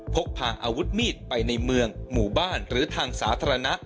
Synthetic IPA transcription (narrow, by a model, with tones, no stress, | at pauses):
pʰo˦˥k̚pʰaː˨˩ŋʔa̰ː˧wu˦˥t̪̚miː˥˩t̪̚pa˧jna˧jmɯ˧əŋmuː˨˩baː˥˩nɾɯː˩˦t̪ʰaː˧ŋsaː˩˦˥t̪ʰaː˧ɾa˧na˦˥ʔ